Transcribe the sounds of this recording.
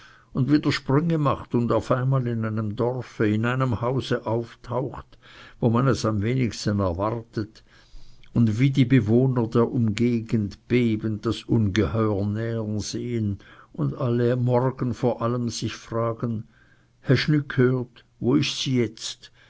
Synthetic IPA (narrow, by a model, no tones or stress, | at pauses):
ʊndviːdəɐʃpʁʏŋəmaχtʊndaʊfaɪnmaːlɪnaɪnəmdɔʁfəɪnaɪnəmhaʊzəʔaʊftʰaʊxtvoːmanɛsamveːnɪçstənɛɐvaʁtət | ʊndviːdiːbəvoːnɐdeːɐʔʊmɡeːɡəntb̥eːbənd̥asʔʊnɡəhɔʏənɛːənz̥eːənʊndaləmɔʁɡənfoːɐʔaləmz̥ɪçfʁ̥aːɡən | hɛɐʃnʏkʰhøːɐt | voːɪçsiːjɛt͡st